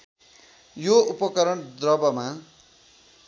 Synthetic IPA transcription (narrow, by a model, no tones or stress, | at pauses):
joupʌkʌɾʌɳd̪rʌbʌma